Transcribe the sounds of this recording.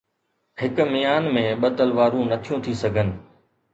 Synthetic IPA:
hɪkmijaːnmẽɓɐt̪əlʋaːɾũnɐt̪ʰijũːt̪ʰisɐɡʱənɪ̆

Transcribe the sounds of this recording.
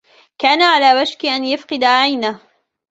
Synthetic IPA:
kaːnaʕalaːwad͡ʒkɪʔanjafqɨd̪aʕajnah

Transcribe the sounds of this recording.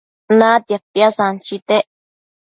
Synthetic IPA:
nãt̪japjasant͡ʃit̪eʔ

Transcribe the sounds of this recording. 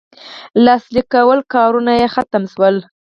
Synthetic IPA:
lɑslikawəlkɑɾunajexat̪əmʃwəl

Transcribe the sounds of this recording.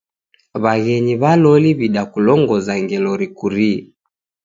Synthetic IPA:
βaɣɛɲiβalɔliβiɗakulɔŋɡɔzaŋɡɛlɔɾikuɾi

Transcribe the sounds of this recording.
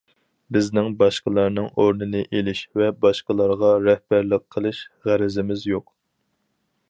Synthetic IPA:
bɪznɪŋbɑʃqəlˠɑɾnɨŋoɾnɨnɨʔelɪʃvɛbɑʃqəlˠɑɾʁɑɾɛhb̥æɾlɪq̚ʰːəlˠɨʃʁæɾɪzɪmɪzjoq

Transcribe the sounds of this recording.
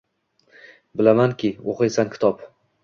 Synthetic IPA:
bɪlamankʲʰɪoqɨjsankʲʰɪ̥t̪ʰɒp

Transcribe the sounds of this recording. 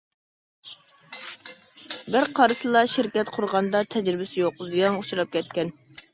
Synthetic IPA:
bɪɾqʰɑɾɨsɨlˠɑʃɪɾkʲɛt̪qʰʊɾʁɑnd̪ɑt̪ʰɛd͡ʒɾɪbɪsɪjoqzijɑŋut͡ʃʰɾɑp̚kʲɛt̪̚kʲɛn

